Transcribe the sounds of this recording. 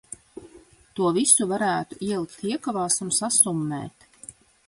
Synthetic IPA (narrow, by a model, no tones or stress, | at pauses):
t̪uɔvisuvaɾæːt̪uiɛlˠikʲt̪ʲiɛkavaːsunsasumːɛ̰ːt̪